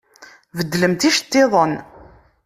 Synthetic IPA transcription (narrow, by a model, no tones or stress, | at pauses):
vəd̪ːləmt̪iʃt̪ːeðˤən